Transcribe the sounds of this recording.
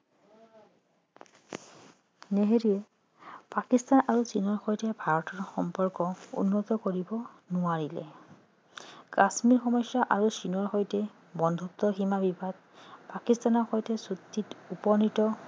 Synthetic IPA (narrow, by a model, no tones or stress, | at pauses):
neɦeɹiɛ | pakist̪anaɹusinɔɹxojtɛbʱaɹɔtɔɹxɔmpɔɹkɔṵnːɔt̪ɔkoɹibɔ | nʊaɹilɛ̰ | kasmiɹxɔmɔsjaʔaɹusinɔɹxojtɛ | bɔnd̪ʱut̪ːɔximabibʱad̚ | pakistanɔɹxojtɛsut̪ːitupɔnitɔ